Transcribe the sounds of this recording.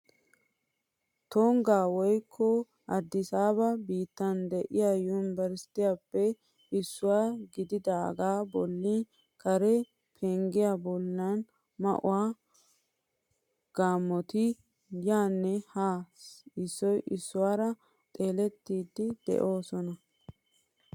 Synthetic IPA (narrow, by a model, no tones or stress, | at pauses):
t̪oŋɡaːwɔjkʰːɔ | ɐd̪ːɪsaːβɐbiːt̪ːɐnd̪ɛʔɪjaːjuːnɪbɐɾsɪ̥t̪ɪjapːɛ | ɪsːʊwaːɡɪd̪ɪd̪ɐɐ̰ɡaːbɔlːi | kʰɐɾɛ | pʰɛŋɡɪjabɔlːɐn | mɐ̰ʔʊ̰waː | ɡ̥aːmːɔt̪ɪ | jaːnːɛhaːsɪsːɔjʔɪsːʊwaːɾɐ | t̪ʼe̞ːlɛt̪ːiːd̪ːɪd̪ɛ̰ʔo̞ːsɔnɐ